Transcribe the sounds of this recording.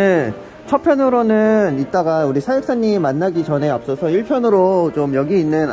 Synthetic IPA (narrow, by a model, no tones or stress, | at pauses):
e | t͡ɕʰʌpʰjʌnɯɾonɯnit̚t͈aɡauɾisʰajɯk̚s͈aɲːimimanːaɡit͡ɕʌnɦe̞ap̚s͈ʌsʰʌiɭpʰjʌnɯɾot͡ɕomjʌɡiːnːɯn